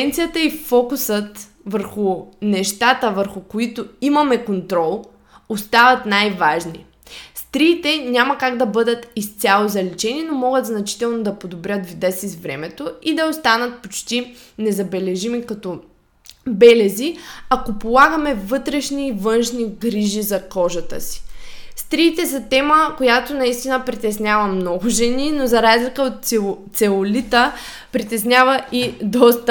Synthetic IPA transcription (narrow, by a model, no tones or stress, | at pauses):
ɛnt̪sijət̪əifɔkusət̪ | vəɾxunɛʃt̪at̪əvəɾxukoit̪ʊimɐmɛkont̪ɾɔlˠ | ost̪avɐt̪najvaʒnḭ | st̪ɾiːt̪ɛɲʲamɐkaɡd̪ɐbɤd̪ət̪ist̪sʲjalˠozɐlɛt͡ʃɛninomɔɡət̪znɐt͡ʃi̥t̪ɛlˠnod̪ɐpod̪obɾʲət̪vid̪ɛsizvɾɛmɛt̪oid̪ɐost̪anət̪̚pot͡ʃt̪inɛzɐbɛlɛʒimikɐt̪ɔ | bɛlɛziakopolˠaɡəmɛvɤt̪ɾɛʃniːvɤnʃniɡɾiʒizɐkɔʒɐt̪ə̰si̥st̪ɾiːt̪ɛsɐt̪ɛməkojat̪onɐist̪inəpɾit̪ɛsnʲavɐmnɔɡʊʒɛninozɐɾazlikəot̪̚ | sɛolit̪ə | pɾit̪ɛsnʲavəʔid̪ɔst̪